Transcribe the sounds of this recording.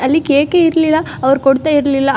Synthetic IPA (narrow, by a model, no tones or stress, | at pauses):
ɐlːikeːkeiɾɐlilːa | ɐʋɐɾukɔɽt̪ːaːiɾɐlilːa